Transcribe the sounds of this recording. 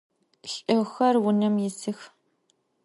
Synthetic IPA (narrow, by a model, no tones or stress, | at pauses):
ɬʼɨwxɐrwʊnɐmjɪsɨx